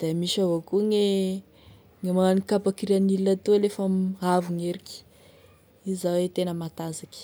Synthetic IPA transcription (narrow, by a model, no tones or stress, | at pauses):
d̪̥emiʃavokuŋe | ŋemanikapakiɾanilːat̪ulefamavuŋeɾikʲi̥ | izawet̪enəmat̪azakʲi̥